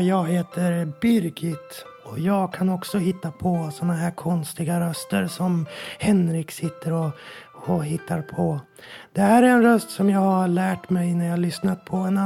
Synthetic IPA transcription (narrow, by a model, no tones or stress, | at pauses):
jɑːɡɦeːt̪əɾbʏɾɡɪt̪ɔjɑːɡkʰanɔksɔhɪt̪ːapʰɔsɔnːaɦæːɾkʰɔnst̪ɪɡaɾœst̪əɾsɔmhɛnɾɪksɪt̪ːəɾɔɔɦɪt̪ʰːaɾpʰɔ | d̪̥ɛhæːɾæɾɛnɾœst̪sɔmjɑːɡhaɭæːʈmɛjnæɾjaːhalʏsnat̪̚pʰɔɛn